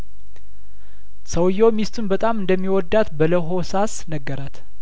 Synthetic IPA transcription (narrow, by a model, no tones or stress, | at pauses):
səwjːomist̪ʰunbət̪ʼamɨnd̪əmːiwɔd̪ːat̪bələɦo̞sasnəɡːəɾat̪